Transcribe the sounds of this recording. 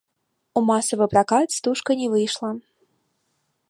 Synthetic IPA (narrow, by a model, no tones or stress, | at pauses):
umasɐvɨpɾakat̪st̪uʂkɐnʲɛvɨjʂlˠɐ